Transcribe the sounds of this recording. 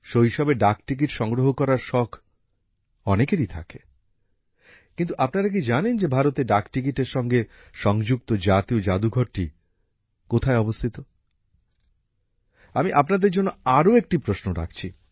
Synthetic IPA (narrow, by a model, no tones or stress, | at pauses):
ʃojʃɔbeɖakʈik̬iʈʃɔŋɡɾoɦokɔɾaɾʃɔkʰ | ɔnekeɾit̪ʰa̰ke | kint̪uʔapnaɾak̬id͡ʑanend͡ʑebʱaɾot̪eɖakʈik̬iʈeɾʃɔŋɡe | ʃɔŋd͡ʑuk̚t̪od͡ʑat̪iod͡ʑad̪uɡʱɔɾʈi | kot̪ʰaeɔbost̪ʰit̪o | amiʔapnad̪eɾd͡ʑonːoaɾoek̚ʈipɾosnoɾa̰kʰt͡ɕʰi